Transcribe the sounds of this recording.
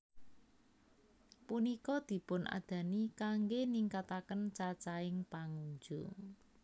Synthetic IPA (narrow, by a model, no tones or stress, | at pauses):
punikɔd̪̥i̤pʊnʔa̰d̪̥ä̤nikaŋɡeniŋkat̪akənt͡ʃat͡ʃaɪŋpaŋuɲd͡ʒu